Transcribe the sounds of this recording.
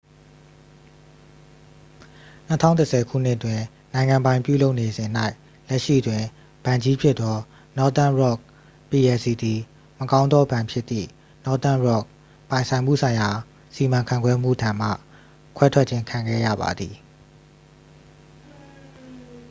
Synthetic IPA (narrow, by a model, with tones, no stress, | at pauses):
nə˦tʰã̰˦˨ʊ̃ntə˨sʰɛ˨kʰṵ˦˨n̥ɪ˦ʔətwɪ̃˨ | nã˨ɪ̃ŋã˨mbã˨ɪ̃pjṵ˦˨lo˦ʊʔne˨zɪ̃˨n̥a˦ɪ | lɛ˦ʔʃḭ˦˨twɪ̃˨ | b̥ã˨ɲd͡ʑi˦pʰjɪ˦t̪t̪ɔ˦ | nɔ˦t̪ã˦˨ɹɔ˦˨k̚ | pi˨ɛ˨si˨d̪i˨ | mə˨kã˦ʊ̃nd̪ðɔ˦bã˨mpʰjɪ˦t̪ːðḭ˦˨ | nɔ˦t̪ã˦˨ɹɔ˦˨k̚ | pã˨ɪ̃nsʰã˨ɪ̃mṵ˦˨sʰã˨ɪ̃ja˨ | si˨mã˨ŋkʰã˨ŋɡwɛ˦m̥ṵ˦˨dã˨m̥ä̰˦˨ | kʰwɛ˦tʰwɛ˦ʔ̚t͡ɕʰɪ̃˦ŋkʰã˨ŋɡɛ̰˦˨jä̰˦˨ba̰˨d̪ði˨